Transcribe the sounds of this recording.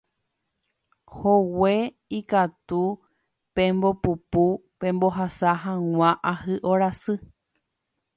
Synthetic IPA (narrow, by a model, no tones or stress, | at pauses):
howe̞ | ikat̪u | pẽ̞mbo̞pupupẽ̞mbo̞ɦasaɦãŋ̃ʷãʔahɨʔoɾasɨ